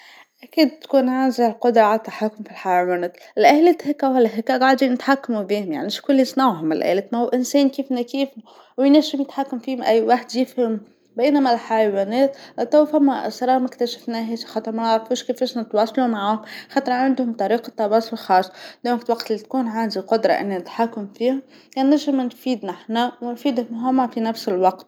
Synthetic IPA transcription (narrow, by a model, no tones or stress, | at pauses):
ʔakiːd̪̚t̪kuːnʕaːzilqʊd̪ɾˤɑʕalat̪ːaħakːʊmfilħajawæneːt̪lʔalet̪hɪkːawhalːɦɪkːaɡaʕd̪inɪt̪ħakːamubiːhʊmjaʕnimɪʃkʊlːisˤnawɦʊmɪlʔæ̰leːt̪mahuːʔɪnsɛːnkiːfnakiːf | wjnæʃʊmjɪt̪ħakːamfiːhmʔæjːwaħd̪jɪfhɪm | beːnamalħajawæːnɛːt̪t̪æwfæmːæ̰sˤɾˤɑːmɪkt̪æʃḁfnɛːɦɛːʃxɑːt̪ˤəɾmænaʕɾˤfuːʃkɪfeːʃnɪt̪wɑːsˤɑlumaʕaːhʊmxɑːt̪ˤɨɾˤʕand̪hʊmt̪ˤɑɾiːqɑt̪ˤːɑwɑːsˤɑllxɑːsˤːɑ̥d̪oːklwɑqt̪ɪlːit̪̚kuːnʕaːnd̪iqʊd̪ɾˤɑ̰ʔɪ̰nːinɪt̪ħakːʊmfiːhʊm | janːæʒɪmnfiːd̪naħnæwnfiːd̪hmɦʊmːafinæfsɪlwɑqt̪